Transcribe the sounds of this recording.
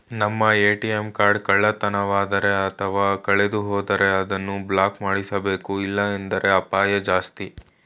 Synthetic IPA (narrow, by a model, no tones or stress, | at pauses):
nɐmːɐeːʈiemkaːɾɖkɐɭːɐt̪ɐnɐʋaːd̪ɐɾe̞ɐt̪ʰɐʋaːkɐɭed̪uɦɔːd̪ɐɾe̞ɐd̪ɐnːublaːkmaːɽisɐbe̞ːkuilːɐend̪ɐɾʔe̞ɐpaːjɐd͡ʒaːst̪i